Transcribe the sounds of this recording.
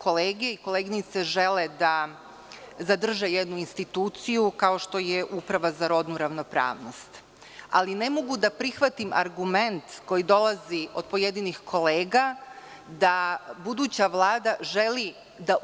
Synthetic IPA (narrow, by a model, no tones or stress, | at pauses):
ko̞leːɡeiko̞leɡinit̪seʒe̞led̪a | zad̪r̩ʒejed̪nuinst̪it̪uːt̪sijukao̞ʃt̪o̞jeʔupɾaʋazaɾo̞d̪nuɾaʋno̞pɾa̰ːʋno̞st̪ | a̰line̞mo̞ɡud̪apɾixʋat̪imʔa̰ɾɡument̪ko̞jid̪o̞lˠazio̞d̪̚po̞je̞d̪inixkʰo̞leːɡa | d̪abud̪uːt͡ɕaʋlˠaːd̪aʒe̞li | d̪a